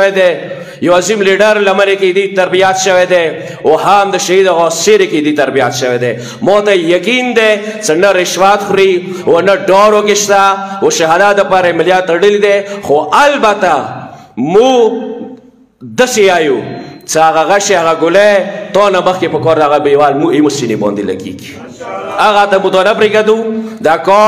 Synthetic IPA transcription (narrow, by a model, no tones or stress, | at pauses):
ed̪e | joazimliɖaɾlamaneked̪it̪aɾbijat̪ʃəwed̪e | oɦamd̪əʃaid̪aɣoseɾeked̪it̪aɾbijat̪ʃəwed̪e | mot̪ajakind̪et͡ʃənaɾɪʃwat̪xɾi | onaɖoɾokeʃt̪awoʃaɦad̪ad̪əpɑɾamɪlijɑt̪ːaɽəlid̪exoʔalbat̪a | mu | d̪əseajut͡ʃəaɣaɣaʃeaɣaɡʊlet̪ɔnaməxkepəkɔɾd̪aɣabewalmuemusinebɔ̰nd̪ila̰ɡḭɡi | aɣat̪amut̪onapɾeɡad̪ud̪akɔ